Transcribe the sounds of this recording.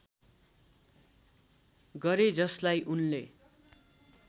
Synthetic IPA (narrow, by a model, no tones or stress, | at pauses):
ɡʌɾed͡zʌslajʔunle